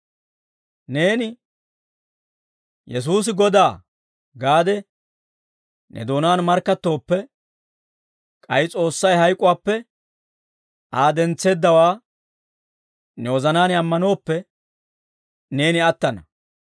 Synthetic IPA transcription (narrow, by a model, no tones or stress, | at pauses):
ne̞ːnɪ | jɛs̬uːs̬ɪɡɔd̪aː | ɡaːd̪ɛ | nʔɛ̰d̪o̞ːnaːnmɐɾkːɐt̪ːo̞ːpːɛ | kʼɐjɪt͡sʼo̞ːsːɐjhɐjkʼʊwaːpːɛ | ʔaːd̪ɛnt͡sːe̞ːd̪ːɐwaː | nɛwɔzɐnaːnɪɐmːɐno̞ːpːɛ | ne̞ːnɪɐt̪ːɐnɐ